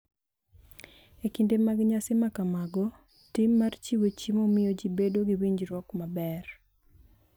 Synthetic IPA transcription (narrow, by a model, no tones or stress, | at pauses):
ekindemaɡɲasemakamaɡɔ | timːart͡ʃiwot͡ʃimomɪjod͡ʒibedoɡiwiɲd͡ʒɾwɔkmabɛr